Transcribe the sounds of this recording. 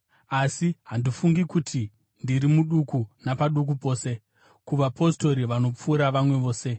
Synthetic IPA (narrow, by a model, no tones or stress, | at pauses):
asiɦandifuŋɡikutʰi | ndiɾimuɗukunapaɗuk̬upo̞ːse̞ | kuʋapo̞sto̞ɾiʋano̞p͡fuːɾaʋamwe̞ʋo̞ːse̞